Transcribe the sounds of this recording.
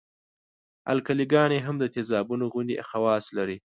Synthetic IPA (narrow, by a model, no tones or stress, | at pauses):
a̰lkaliɡɑneɦamd̪ət̪ezɑbunoɣʊnd̪eʔaxawɑslaɾi